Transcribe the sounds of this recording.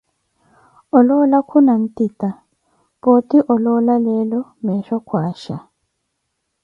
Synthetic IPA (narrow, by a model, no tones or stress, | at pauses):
ɔlɔlakʰunan̩tita | pɔtiʔɔlɔlalɛlɔmɛʃɔkʰwaːʃa